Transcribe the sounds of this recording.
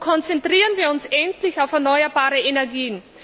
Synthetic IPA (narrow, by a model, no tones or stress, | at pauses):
kʰɔnt͡sɛntʁ̥iːʁənviːɐʊnsʔɛntlɪçaʊfɛɐnɔʏɐbaːʁəenɛɐɡiːən